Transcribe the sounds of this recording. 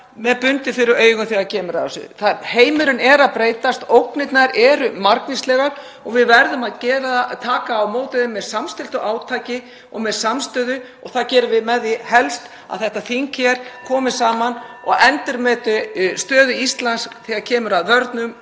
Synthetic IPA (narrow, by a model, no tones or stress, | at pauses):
mɛðpʏnt̪ɪfɪɾɪɾœːjɣʏmθiɣaɾcʰɛːmʏɾa̰ðasʏ̰θaɾheːjmʏɾʏnɛɾaðpɾeːjt̪ast̪owknɪt̪naɾɛɾʏmaɾkvist̪lɛɣaɾ | ɔɣvɪðvɛɾðʏmaðcɛːɾat̪ʰaːkaːwmoːwt̪ɪðɪmːɛðsamst̪ɪl̥t̪ʏʔaːwt̪ʰaːjcɪ | ɔ̰ɣmɛðsamst̪œːðʏ | ɔɣθacɛːɾʏvɪðmɛðihɛlst̪ | a̰ðθɛht̪aθiŋkçɛɾ̥kʰɔːmɪ̥saːman | ɔɣɛnt̪ɪɾmɛːt̪ʏst̪œːðʏist̪lansθiɣacʰɛːmʏɾaðvœɾt̪nʏm